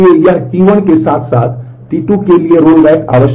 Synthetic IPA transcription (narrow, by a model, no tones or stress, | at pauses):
ejjahiʋəɳkesãk̪sat̪ | t̪iʈ̪ukelieɾolʋajʈa̰ʋəɕ